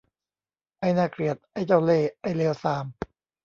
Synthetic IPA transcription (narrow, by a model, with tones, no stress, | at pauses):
ʔa˧˥˩jnaː˧˩kli˨˩ət̪̚ʔa˥˩jt͡ɕa˥˩wleː˧˩ʔa˥˩jleː˧wsaː˧˦m